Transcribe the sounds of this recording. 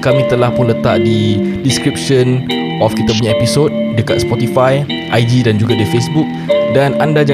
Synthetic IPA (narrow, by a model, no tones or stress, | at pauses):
kamĩt̪əlahpʊnlət̪a̰ʔdidiskɾip̚ʃən | ʔɔfkit̪ap̬uɲãepisot̚dəkat̪̚spɔt̪ifaj | ʔajdidand͡ʒuɡadafesbuk̚danandad͡ʒa